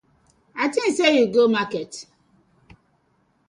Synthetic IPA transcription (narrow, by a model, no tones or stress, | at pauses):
atin̩sejuɡomaket